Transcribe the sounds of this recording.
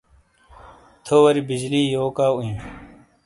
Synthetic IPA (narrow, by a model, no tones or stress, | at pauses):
t̪ʰoːwɐɾibid͡ʑliːjoːkaːuĩ